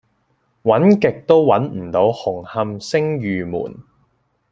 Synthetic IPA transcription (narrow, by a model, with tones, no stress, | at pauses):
wɐ˨˥nkɪ˨k̚t̪o˥wwɐ˨˥nm̩˨˩t̪o˨˥whʊ˨˩ŋhɐ˧msɪ˥ŋjyː˨mṵː˨˩n